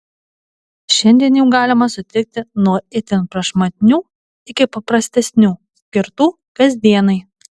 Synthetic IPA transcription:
ʃʲɛnʲd̪ʲiɛnʲjuːɡɑːlʲɪmɐsʊt̪ʲɪk̚t̪ʲɪnuɔɪt̪ʲɪnpɾɐʃmɐt̪ʲɪnʲuː | ɪkʲɪpɐpɾɐsʲt̪ʲɛsʲnʲuːsʲkʲɪɾt̪uː | kɐzʲd̪ʲiɛnɐɪ

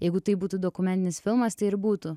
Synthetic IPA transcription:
jɛɪɡʊt̪ɐɪbuːt̪uːd̪oːkʊmʲɛnt̪ʲɪnʲɪsfʲɪlˠmɐst̪ɐɪɪɾbuːt̪ʊ

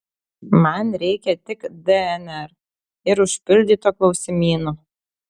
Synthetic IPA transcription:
mɐnɾʲɛɪkʲɛt̪ʲɪkd̪ɛɛnɛɾ | ɪɾʊʃʲpʲɪlʲd̪ʲiːt̪oːklˠɒʊsʲɪmʲiːno

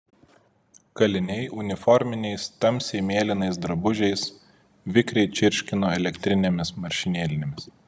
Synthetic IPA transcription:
kɐlʲɪnʲɛɪʊnʲɪfɔɾʲmʲɪnʲɛɪst̪ɐmʲsʲɛɪmʲeːlʲɪnɐɪs̬d̪ɾɐbʊʒʲɛɪs | ʋʲɪkɾʲɛɪt͡ʃʲɪɾʲʃʲkʲɪnoːɛlʲɛkʲt̪ʲɾʲɪnʲemʲɪsmɐɾʲʃʲɪnʲeːlʲɪnʲɛmʲɪs

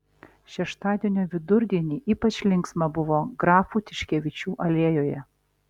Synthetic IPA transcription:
ʃʲɛʃt̪ɑːd̪ʲieɛnʲoːʋʲɪd̪ʊɾʲd̪ʲiɛnʲiːʔiːpɐt͡ʃʲlʲɪŋksmɐbʊʋoːɡɾɑːfuːt̪ʲɪʃʲkʲɛʋʲɪt͡ʃʲuːʔɐlʲeːjoːjɛ

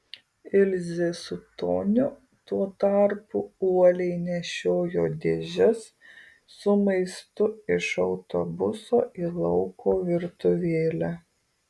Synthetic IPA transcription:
ɪlʲzʲesʊt̪o̰ːnʲʊ | t̪uɔt̪ɑˑɾpʊuɔlʲɛɪnʲɛʃʲoːjoːd̪ʲeːʒʲɛs | sʊmɐɪst̪ʊɪʃɔʊt̪obʊsoːʔiːlˠɐʊkʰoːʋʲɪɾt̪ʊʋʲeːlʲæ

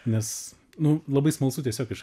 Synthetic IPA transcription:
nʲɛs | nʊlˠɐbɐɪsmɐlˠsʊt̪ʲiɛsʲoːkɪʃ

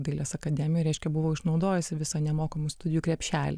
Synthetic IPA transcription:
d̪ɐɪlʲeːsɐkɐd̪ʲæːmʲɪjoːɾʲɛˑɪʃʲkʲɛbʊʋoːɪʃnɒʊd̪oːjɛsʲɪʋʲɪsɐnʲɛmoːkɐmust̪ʊd̪ʲɪjuːkɾʲɛpʲʃʲæːlʲe

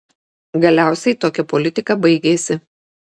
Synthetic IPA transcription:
ɡɐlʲæˑʊsʲɛɪt̪oːkʲɛpɔlʲɪt̪ʲɪkɐbɐɪɡʲeːsʲɪ

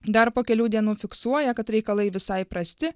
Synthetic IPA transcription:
d̪ɐɾpoːkʲɛlʲuːd̪ʲiɛnuːfʲɪksuɔjɛkɐt̪ɾʲɛɪkɐlˠɐɪʋʲɪsɐɪpɾɐsʲt̪ʲɪ

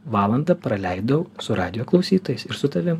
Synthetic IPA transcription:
ʋɑːlˠɐnd̪ɐpɾɐlʲɛɪd̪ɐʊsʊɾɑ̰ːd̪ʲɪjoːklˠɒʊsʲiːt̪oːjɛɪsɪɾsʊt̪ɐʋʲɪm

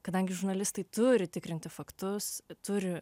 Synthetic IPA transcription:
kɐd̪ɐŋʲɡʲɪʒʊɾnɐlʲɪst̪ɐɪt̪ʊɾʲɪt̪ʲɪkɾʲɪnʲt̪ʲɪfɐkt̪ʊst̪ʊɾʲɪ

